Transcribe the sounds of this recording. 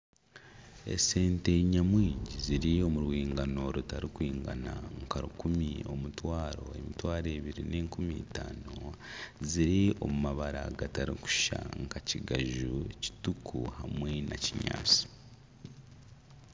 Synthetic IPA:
e̞̰se̞ːnte̞ɲamwiːɲɟiziɾio̞muɾwiːŋɡano̞ɾutaɾikwiːŋɡanaŋkaɾukumio̞̰mutwaːɾo̞e̞mitwaːɾe̞ːβiɾine̞ːŋkumitaːno̞ziɾio̞̰mumaβaɾa̰ɡataɾiku̥ʃa̰ŋkaciɡaʒuci̥tukʰuhamwe̞nʔaciɲa̰ːt͡si̥

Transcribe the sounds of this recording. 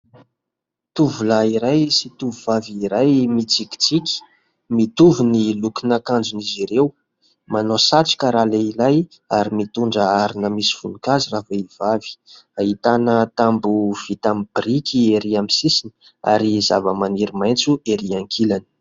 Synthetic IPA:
t̪uvulaiɾajsit̪uvuvaviːɾajmit͡sikʲi̥t͡sikʲi̥ | mit̪uvunilukinakand͡zuniziɾew | manosaʈ͡ʂi̥kəɾaleilaj | aɾimit̪uɳɖ͡ʐəaɾinəmisi̥funukaziraveiv̥avi̥ | ait̪anət̪ambuv̥it̪amib̥rikieɾiamisisini̥ | a̰ɾizavəmaniɾimajnt͡sueɾiaŋkʰilani̥

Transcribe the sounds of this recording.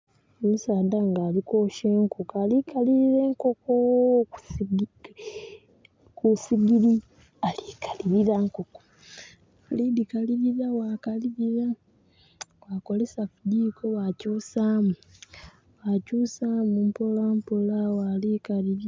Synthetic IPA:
omusaːdaŋɡaːliko̞ːʃeːŋkokalikʰaliɾiɾe̞ːŋkoko | kusiɡiɾi | alikḁliɾiɾaŋkoko̥ | lidikaliɾiɾawakaliɾiɾa | waːko̞lesafudikʰo̞wacuːsaːmu | wacuːsaːmumpolampolawaːlikaliɾ

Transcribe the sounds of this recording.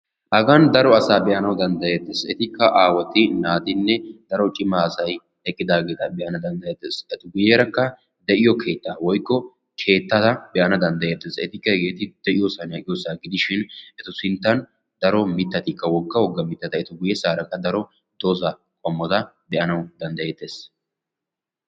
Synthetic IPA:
hɐɡɐnd̪ɐɾɔɐsaːbɛʔɐnɐwd̪ɐnd̪ɐjɛt̪ːesɛt̪ɪkːɐʔaːwɔt̪ːɪnaːt̪ɪnːɛd̪̥ɐɾɔt͡ʃʼɪmːaːsɐj | ɛkʼːɪd̪aːɡe̞ːt̪ɐbɛʔɐnɐd̪ɐnd̪ɐjɐt̪ːɛsɛt̪ɪɡʊjeɾɐkːɐ | d̪ɛʔɪjɔkʰe̞ːt̪ːawɔjkːɔ | kʰe̞ːt̪ːɐt̪ɐbɛʔɐnɐd̪ɐnd̪ɐjet̪ːeːsɛt̪ɪkːɐɛɡe̞ːt̪ɪd̪̥ɛʔɪjosɐnɐkʼɪjɔsaɡɪd̪ɪʃɪnɛt̪ɔsɪnt̪ːɐn | d̪ɐɾɔmɪt̪ːɐt̪ɪkːɐwɔɡːɐwɔɡːɐmɪt̪ːɐt̪ɐɛt̪ɔɡʊjɛsaːɾɐkːɐd̪ɐɾɔ | d̪̥ɔzɐ | kʼɔmːɔt̪ɐ | d̪ɛʔɐnɐwd̪ɐnd̪ɐjet̪ːe̞ːs

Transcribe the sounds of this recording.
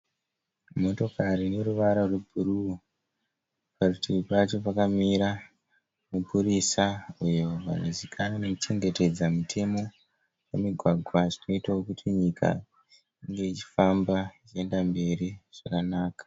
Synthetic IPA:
mo̞to̞kaɾine̞ɾuʋaɾarwebʱuru | parutiipat͡ʃo̞pakamiɾa | mupurisaujo̞ʋa̰nozikʰananekut͡ʃe̞ŋɡe̞te̞d͡zamutʰe̞mo̞ | jemiɡʱwaɡʱwaʐino̞itaokutʰiɲikʰa̰ | iŋɡe̞it͡ʃi̥fambait͡ʃie̞ndambe̞ɾiʐ̥akanaːkḁ

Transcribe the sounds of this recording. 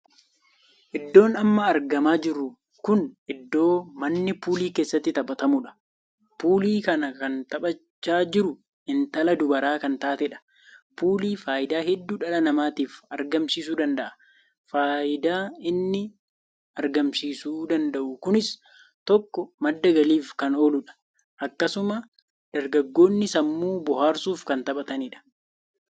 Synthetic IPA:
ʔɪd̪ːo̞ːnɐmːɐːɾɡɐmaːd͡ʒɪɾːʊ | kʊnʔɪd̪ːo̞ːmɐnːɪpuːliːke̞ːsːɐt̪ːɪt̪ɐɓɐt̪ɐmʊᶑɐ̥ | puːliːkɐnɐkɐnt̪ɐɓɐt͡ʃːaːd͡ʒɪɾʊ | ɪnt̪ɐlɐd̪ʊbɐɾaːkɐnt̪aːt̪ɛᶑɐ̥ | puːliːfaːʔɪd̪aːhɛd̪ːuːᶑɐlɐnɐmaːt̪iːfɐɾɡɐmsiːs̬uːd̪ɐnd̪ɐʔɐ̥ | faːʔɪd̪aːɪnːɪ | ɐɾɡɐmsiːsuːd̪ɐnd̪ɐʔʊkʊnɪs | t̪ɔkːɔmɐd̪ːɐɡɐliːfkɐnoːlʊᶑɐ̥ | ʔɐkːɐsʊmɐ | d̪̥ɐɾɡɐɡːo̞ːnːɪsɐmːuːbɔhaːɾsuːfkɐnt̪ɐɓɐt̪ɐniᶑɐ̥

